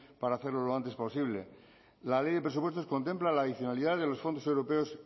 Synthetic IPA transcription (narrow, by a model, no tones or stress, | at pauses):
paɾaːθe̞ɾloloant̪e̞spo̞siβ̞lḛ | lale̞jðepɾe̞supwet̪o̞sko̞nt̪e̞mplalaːðiθjo̞naliðaððelo̞sfo̞nd̪osewɾo̞peos